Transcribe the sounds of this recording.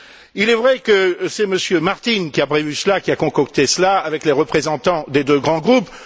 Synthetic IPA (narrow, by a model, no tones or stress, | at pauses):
ilɛvʁɛkəsɛməsjømaʁt̪inkʲiapχevysəlakʲiakɔ̃kɔkt̪esəlaavɛkleʁəpχezɑ̃t̪ɑ̃d̪ed̪øɡʁɑ̃ɡʁup